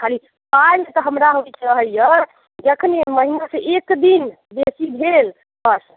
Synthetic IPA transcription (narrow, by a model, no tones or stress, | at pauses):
kʰali | pajlmet̪ɔɦəmɾaɦoɛkʰɾəɦəjə | d͡ʒəkʰəneməɦinasẽʔekd̪in | besibʱel | bəs